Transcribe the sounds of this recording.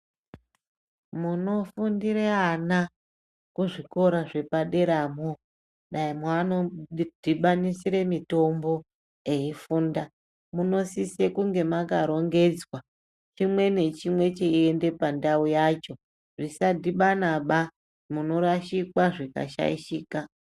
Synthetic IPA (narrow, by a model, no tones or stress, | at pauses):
muno̞fundiɾeana | kuʐiko̞ɾaʐe̞paɗe̞ɾamo | ɗaimwanod̥ʱiɓanisiɾe̞mito̞mbo̞ | e̞ifuːnda | muno̞sise̞kuŋɡe̞makaɾo̞ŋɡe̞d͡zwa | t͡ʃimwe̞ne̞t͡ʃimwe̞t͡ʃeiende̞pandaujaːt͡ʃo̞ | ʐisadiɓanaɓa | muno̞ɾaʃikwaʐika̰ʃa̰iʃiːka